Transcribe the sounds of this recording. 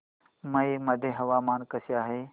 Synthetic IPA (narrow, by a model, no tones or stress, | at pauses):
məiməd̪ʱẽːɦɐʋaːmaːnkəsjaːɦeː